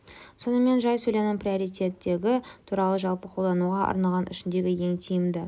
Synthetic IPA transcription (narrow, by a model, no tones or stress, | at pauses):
so̞nəme̞nʒɑjsɵjlenɪɴprio̞ɾijt̪e̞t̪ːe̞ɡʲɪt̪ʰuɾɑlˠəʒɑlˠpəqʰolˠd̪ɑnuʁɑɑ̰ɾnɑlˠʁɑnɪ̰ʃɪnd̪e̞ɡʲɪje̞ŋt̪ʰijɪmd̪ɪ